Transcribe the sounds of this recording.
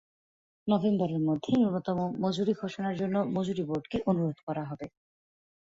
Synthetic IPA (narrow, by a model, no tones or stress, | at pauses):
nɔbembɔɾeɾmod̪ʱːeunːot̪ɔmomod͡ʑuɾiɡʱoʃonaɾd͡ʑonːomod͡ʑuɾiboɾɖkeʔonuɾod̪kɔɾaɦɔbe